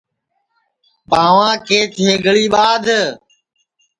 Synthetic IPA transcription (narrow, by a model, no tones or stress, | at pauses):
paːʋãːkʰeːt̪ʰeːɡəɭiːɓaːd̪ʱ